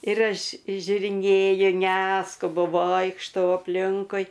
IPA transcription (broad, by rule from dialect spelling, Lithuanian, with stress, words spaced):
ɪr ˈɐʃ ʒʲʊrʲɪˈnʲeːjʊ ˈnʲæːskʊbʊ ˈʋoːɪkʃtɐʊ ɐpʲˈlʲɪŋkʊɪ